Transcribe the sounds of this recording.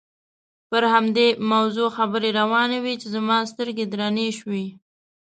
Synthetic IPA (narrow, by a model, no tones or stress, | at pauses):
pəɾhamd̪emawzoxabəɾeɾawɑnawit͡ʃezamɑst̪əɾɡed̪ɾɑneʃwi